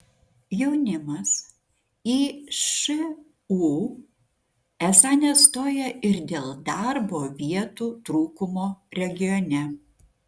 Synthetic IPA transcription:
jɛʊnʲɪmɐs | iːʃɪ | u | æsɑnʲɛst̪oːjɛɪɾd̪ʲeːlˠd̪ɑɾboːʋʲiɛt̪uːt̪ɾuːkʊmoːɾʲɛɡʲɪjɔnʲɛ

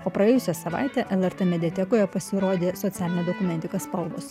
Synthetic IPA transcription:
oːpɾɐjeːjʊsʲɛsɐʋɑ̰ˑɪt̪ʲɛːʔɛlˠɛɾt̪ɛmʲɛd̪ʲiɛt̪ʲɛkoːjɛpɐsʲɪɾoːd̪ʲeːsɔt̪sʲæːlʲɪnʲeːd̪oːkʊmʲɛnt̪ʲɪkɐspɐlˠʋʊs

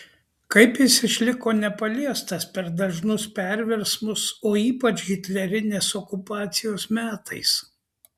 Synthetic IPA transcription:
kɐɪpjɪsɪʃʲlʲɪkoːnʲɛpɐlʲiɛst̪ɐspʲɛɾd̪ɐʒnʊspʲɛɾʲʋʲɛɾsmʊsoːiːpɐt͡ʃɡʲɪt̪ʲlʲɛɾʲɪnʲeːsɔkʊpɑːt̪sʲɪjoːsmʲæːt̪ʰɐ̰ɪs

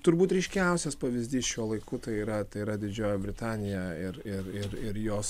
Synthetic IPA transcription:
t̪ʊɾbuːt̪ɾʲɛɪʃʲkʲɛˑʊsʲɛspɐʋʲɪzʲd̪ʲiːsʃʲuɔlˠɐɪkʊt̪ɐɪiːɾɐt̪ɐɪiːɾɐd̪ʲɪd͡ʒʲoːjɛbʲɾʲɪt̪ɑːnʲɪjɛɪɾɪɾɪɾɪɾjoːs

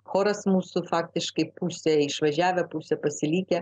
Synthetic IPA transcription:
xoːɾɐsmuːsʊfɑːk̚t̪ʲɪʃkɐɪpuːsʲɛɪʃʋɐʒʲæːʋʲɛpusʲɛpɐsʲɪlʲiːkʲɛ

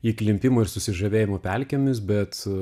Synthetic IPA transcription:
iːklʲɪmʲpʲɪmoːɪɾsʊsʲɪʒɐʋʲeːjɪmoːpʲælʲkʲɛmʲɪs̬bʲɛt̪

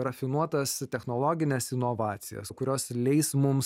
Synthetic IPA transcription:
rɐfʲɪnuɔt̪ɐst̪ʲɛxnoːlˠoːɡʲɪnʲɛsɪnoʋɑːt̪sʲɪ̰jɛ̰skʊɾʲoːslʲɛɪsmʊms

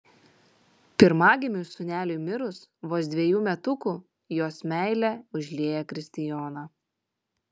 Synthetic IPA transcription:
pʲɪɾmɑːɡʲɪmʲusʊnʲæːlʲʊmʲɪɾʊsʋoːsd̪ʲʋʲɛjuːmʲɛt̪ʊkuː | joːsmʲæɪlʲɛʊʒʲlʲeːjɛkɾʲɪsʲt̪ʲɪjɔːnɑː

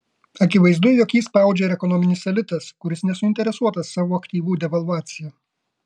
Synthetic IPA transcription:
ɐkʲɪʋɐɪzd̪ʊjoːkjiːspɑˑʊd͡ʒʲɛɪɾɛkɔnɔmʲɪnʲɪsɐlʲɪt̪ɐskʊɾʲɪsnʲɛsʊɪnʲt̪ʲɛɾʲɛsuɔt̪ɐsːɑːʋoːɐkt̪ʲiːʋuːd̪ʲɛʋɐlˠʋɑːt̪sʲɪjɛː

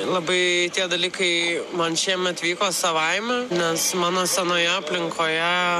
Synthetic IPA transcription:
lˠɐbɐɪt̪ʲiɛd̪ɐlʲiːkɐɪmɐnʃʲiɛmʲɛt̪ʋʲiːkoːsɐʋɐɪmʲɛnʲɛsmɑːnoːsʲɛnoːjɛɐpʲlʲɪŋkʰoːjɛ

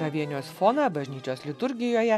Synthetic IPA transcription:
ɐʋʲiɛnʲoːsfoːnɐbɐʒʲnʲiːt͡ʃʲoːslʲɪt̪ʊɾʲɡʲɪjoːjɛ

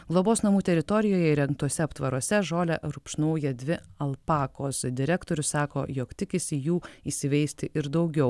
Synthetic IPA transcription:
ɡlˠoːboːsnɐmuːt̪ʲɛɾʲɪt̪ɔɾʲɪjoːjɛɪɾʲɛŋk̚t̪uɔsʲɛɐpt̪ʋɐɾuɔsʲɛʒoːlʲɛɾʊpʃnɐʊjɛd̪ʲʋʲɪɐlˠpɑːkoːsd̪ʲɪɾʲæːkt̪oːɾʲʊssɑːko̰ːjoːkt̪ʲɪkʲɪsʲɪjuːiːsʲɪʋʲɛɪsʲt̪ʲɪʔɪɾd̪ɐʊɡʲɛʊ

